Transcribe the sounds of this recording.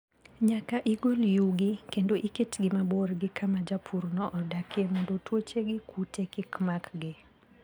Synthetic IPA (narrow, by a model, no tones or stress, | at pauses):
ɲakaʔɪɡoljuɡɪkendoʔiketɡɪmaborɡɪkʰamad͡ʒapʰurnɔʔɔdakemɔndotwot͡ʃeɡɪkutʰekɪkmakɡɪ